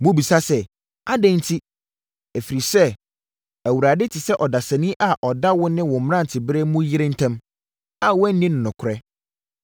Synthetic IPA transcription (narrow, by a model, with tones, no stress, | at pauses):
mʊ̃˦bi˨sa˦sɛ˨ | a˦dɛ̃˦n˦tʰi˦ | æ˨fi˨ɾi˨sɛ˦ | æ˨wu˨ɾa˨dɪ˦tʰɪ˨sɛ˦ʔɔ˨da˨sɛ̃˨nĩ˦ʔa˨ʔɔ˨da˦wʊ̃˦nɪ̃˦wɔ̃˨m̩˨m̃˦ã˦n̩˨tʰɪ˨bɪ˦ɾɛ˦mũ˦jɪ˦ɾɪ̃˦n̩˦tʰæ̃˦m | a˨wɔ̃˦n̩˦nĩ˦ñ˨nʊ̃˨kʰʊ˨ɾɛ˦